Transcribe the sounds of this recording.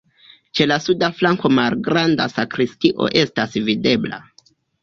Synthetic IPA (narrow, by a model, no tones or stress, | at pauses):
t͡ʃe̞lasudaflaŋko̞malɡɾanda̰sakɾistiʔo̞̰ʔe̞stasvide̞bla̰